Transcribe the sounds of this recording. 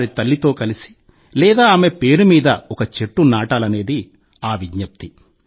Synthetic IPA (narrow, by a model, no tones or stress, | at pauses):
ɾit̪ɐlːit̪o̞ːkɐlisi̥ | lɛːd̪aːaːme̞pe̞ːɾumiːd̪ɐɔkɐt͡ʃeʈːunaːʈaːlɐne̞ːd̪i | aːʋiɟnɐp̚t̪i